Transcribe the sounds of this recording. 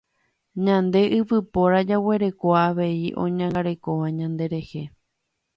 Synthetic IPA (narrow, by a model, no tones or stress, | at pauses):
ɲãnd̪e̞ʔɨpɨpo̞ɾad͡ʒawe̞ɾe̞koaʋe̞iʔõ̞̰ɲãŋɡaɾe̞ko̞ʋaɲãnd̪e̞ɾe̞he̞